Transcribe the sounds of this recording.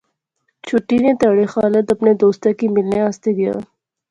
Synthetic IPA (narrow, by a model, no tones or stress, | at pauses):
t͡ʃʰʊʈːinet̪ɐɽexaːlət̪ɐpned̪oːst̪akimɪlneaːst̪eɡɐja̰ː